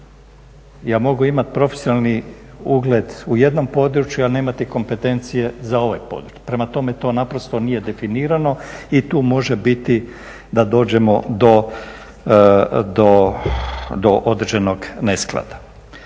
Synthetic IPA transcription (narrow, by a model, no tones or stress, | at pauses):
jaːmo̞ɡuimat̪pɾo̞fesjonalˠni | uɡled̪uje̞d̪no̞mpo̞d̪ɾut͡ʃjualne̞ːmat̪iko̞mpe̞t̪e̞nt̪sije̞zao̞ʋajpo̞̰d̪ɾut͡ʃu̥pɾe̞mat̪o̞me̞t̪o̞ːnapɾo̞st̪onije̞d̪e̞finiːɾano̞it̪uːmo̞ʒebit̪i | d̪ad̪o̞ːd͡ʑe̞mo̞d̪o̞ | d̪o | d̪o̞ʔod̪r̩ʒeno̞ɡne̞sklˠa̰d̪ḁ